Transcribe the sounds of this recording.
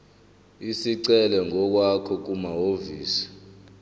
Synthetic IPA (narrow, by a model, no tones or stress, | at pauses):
isiǀɛlɛŋɔk̬wakʰɔk̬umaɦoviːsi̥